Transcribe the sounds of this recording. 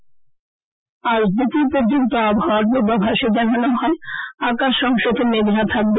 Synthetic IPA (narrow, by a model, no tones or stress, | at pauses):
aɾd̪it̪uɾpoɾd͡ʑont̪oaboɦawaɾ̚bebabʱaʃed͡ʑananoɦɔeakaʃːɔŋʃod̪omed̪ɾat̪ʰak̚be